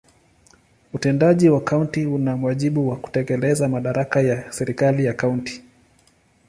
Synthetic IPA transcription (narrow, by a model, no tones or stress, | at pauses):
utɛndaʄiwakauntiunamwaʄiɓuwaku̥tɛkɛlɛzamaɗaɾakajasɛɾikalijakaunti̥